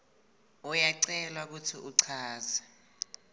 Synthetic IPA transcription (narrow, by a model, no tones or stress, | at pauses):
ɔjaǀɛlwak̬utʰiʔuǀʰaːza